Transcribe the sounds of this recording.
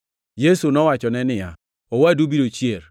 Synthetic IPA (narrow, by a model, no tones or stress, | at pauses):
jesunɔwat͡ʃɔnɛnɪja̰ | owadubiɾot͡ʃieɾ